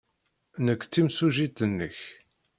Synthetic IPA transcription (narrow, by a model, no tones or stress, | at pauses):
nəkʷːt͡sːimsuʒit̪ənːəç